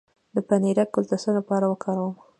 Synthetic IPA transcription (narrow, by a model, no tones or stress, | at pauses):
d̪əpaniɾakʊlt̪asəlapɑɾawəkʰɑɾawəm